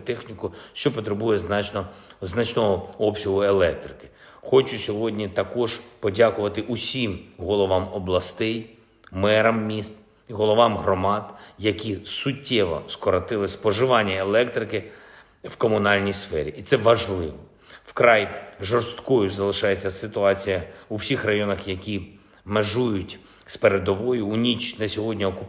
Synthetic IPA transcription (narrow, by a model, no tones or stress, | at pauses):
t̪ɛxnʲikʊʃt͡ʃɔpɔt̪ɾebujɛznnɔznɐt͡ʃnɔɦɔɔpsʲɐɦʊelˠɛk̚t̪ɾɪkɪ̥ | xɔt͡ʃʊsʲɔɦɔdʲnʲit̪ɐkɔʒpɔdʲakʊʋɐt̪ɪʔʊsʲimɦɔlˠɔʋɑmɔblˠɐst̪ɛj | mɛɾɐmːʲist̪ | iɦɔlˠɔʋɑmɦɾɔmɑd̪jɐkʲisʊtʲːɛʋɔ̰skɔɾɐt̪ɪlˠɪspɔʒɪʋɑnʲːɐelˠɛkt̪ɾɪkɪ | wkɔmʊnɑlʲnʲijsfɛɾʲiʔit̪sɛʋɐʒlˠɪʋɔ | wkɾɑjʒɔrst̪kɔjʊzɐlˠɪʃɑjet͡sʲːɐsɪt̪ʊɑt͡sʲijɐuwsʲixrɐjɔnɐxjɐkʲi | meʒujʊtʲ | speɾed̪ɔʋɔjʊːnʲit͡ʃnɐsʲɔɦɔdʲnʲiɔkʊ